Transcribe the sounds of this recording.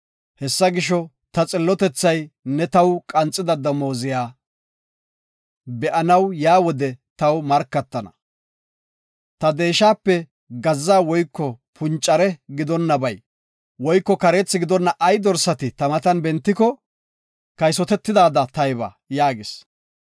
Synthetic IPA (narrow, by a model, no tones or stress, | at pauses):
hɛsːɐɡɪʃɔ | t̪ɐt͡sʼɪlːɔt̪ɛt͡sːɐjnɛt̪ɐwkʼɐnt͡sʼːɪd̪ɐd̪ɐmo̞ːzɪjaː | bɛʔɐnɐwjaːwɔd̪ɛt̪ɐwmɐɾkːɐt̪ːɐnɐ̰ | t̪ɐd̪e̞ːʃaːpːɛ | ɡɐzːaːwɔjkːɔpʰʊnt͡ʃʼːɐɾɛɡɪd̪ɔnːɐbɐj | wɔjkːɔkɐɾeːt͡sːɪɡɪd̪ɔnːɐʔɐjd̪ɔɾsɐt̪ɪt̪ɐmɐt̪ɐnbɛnt̪ːɪkɔ | kɐjs̬ɔt̪ɛt̪ːɪd̪aːd̪ɐt̪ɐjbɐ̰ | jaːɡɪs